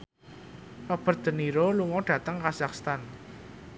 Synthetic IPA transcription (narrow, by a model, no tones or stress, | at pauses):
pɔb̥ə̤r̚d̪̥ə̤niɾoluŋɔɖ̥ä̤t̪əŋkazakst̪an